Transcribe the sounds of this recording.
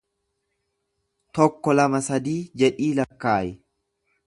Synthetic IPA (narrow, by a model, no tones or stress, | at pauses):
t̪ɔkːɔlɐmɐsɐd̪iːd͡ʒɛᶑiːlɐkːaːjɪ